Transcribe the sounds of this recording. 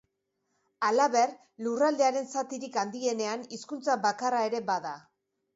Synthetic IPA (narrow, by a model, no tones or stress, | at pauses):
alaβe̞r | lurald̪e̞aɾe̞nsat̪iɾikand̪ie̞ne̞aniskunt͡saβakarae̞ɾe̞baða